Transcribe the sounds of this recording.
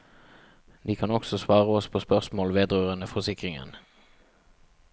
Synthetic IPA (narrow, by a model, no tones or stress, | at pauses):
d̪iːkʰɑnɔksɔsʋɑːʁəɔspʰoːspœʁsmoːlʋeːd̪ʁøːʁənəfɔʁsɪkʁɪŋə̰n